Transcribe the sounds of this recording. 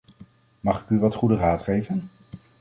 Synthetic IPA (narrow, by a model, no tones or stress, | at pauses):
mɑχɪkyʋɑtχudəraːtχejvən